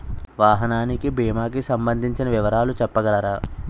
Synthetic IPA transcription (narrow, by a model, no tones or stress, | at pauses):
ʋaːɦɐnaːnikibiːmaːkisɐmbɐnd̪ʱiɲt͡ʃinɐʋiʋɐɾaːlut͡ʃɛpːɐɡɐlɐɾaː